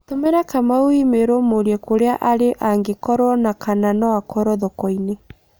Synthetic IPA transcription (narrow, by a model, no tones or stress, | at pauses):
tomeɾakamaoimeɾomoɾiɛkoɾeaʔaɾeʔaŋɡekɔɾwɔnakananɔakʰɔɾɔðɔkɔine